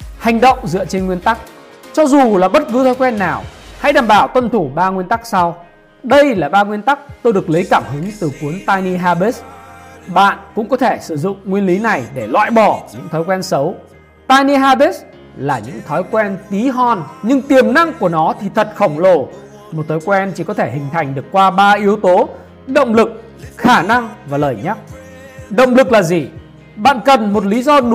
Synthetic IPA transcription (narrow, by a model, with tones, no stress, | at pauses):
ha˨˩jŋ̟ɗə̰˧˨wŋ͡mzɨ̰˧˨ət͡ɕe˧nŋwi˧ənt̪a˦˥k̚ | t͡ɕɔ˧zu˨˩laː˨˩ɓə˦˥t̚kɨ˨˦t̪ʰɔ˨˦jkwɛ˧nːaː˨˩wha̰˧˥jɗaː˨˩mɓaː˧˩wt̪wə˧nt̪ʰu˧˩ɓaː˧ŋwi˧ənt̪a˦˥k̚sa˧w | ɗə˧jlaː˨˩ɓaː˧ŋwi˧ənt̪a˦˥k̚t̪o˧jɗɨ˨˩ək̚lə˨˦jkaː˧˩mhɨ˨˦ŋt̪ɨ˨˩ku˨˦ənt̪aː˧jni˧ɦaː˧ɓe˦˥s | ɓa̰ː˧˨nkʊ̰˧˥ŋ͡mkɔ˨˦t̪ʰe˧˩sɨ˧˩zʊ̰˧˨ŋ͡mŋwi˧ənli˨˦na˨˩jɗe˧˩lwa̰ː˧˨jɓɔ˧˩ɲɨ̰˧˥ŋt̪ʰɔ˨˦jkwɛ˧nsə˨˦w | t̪aː˧jni˧ɦaː˧ɓe˦˥s | laː˨˩ɲɨ̰˧˥ŋt̪ʰɔ˨˦jkwɛ˧nt̪i˨˦ɦɔ˧˩nɲɨ˧ŋt̪i˨˩əmna̰˧ŋku˧˩ənɔ˨˦t̪ʰi˨˩t̪ʰə˨˩t̚xə˧˩wŋ͡mlo˨˩ | mo˨˩t̚t̪ʰɔ˨˦jkwɛ˧nt͡ɕi˧˩kɔ˨˦t̪ʰe˧˩hï˨˩ŋ̟t̪ʰa˨˩jŋ̟ɗɨ˨˩əkːwaː˧ɓaː˧ʔi˨˦əwt̪o˨˦ | ɗə̰˧˨wŋ͡mlɨ˨˩k̚ | xaː˧˩na˧ŋvaː˨˩ləː˨˩jɲa˦˥k̚ | ɗə̰˧˨wŋ͡mlɨ˨˩k̚laː˨˩zi˨˩ | ɓa̰ː˧˨nkə˨˩nmo˨˩t̬̚li˨˦zɔ˧ɗ